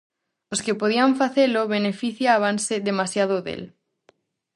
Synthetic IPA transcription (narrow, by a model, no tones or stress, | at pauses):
oskepoð̞iaɱfaθeloβenefiθjaβanseðemasjaðoðḛl